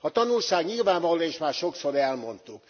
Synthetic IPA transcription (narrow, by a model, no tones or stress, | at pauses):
ɒt̪ɒnulʃaːɡɲilvaːɱvɒloeːʃmaːrʃo̞kso̞ɾɛlmo̞nt̪uk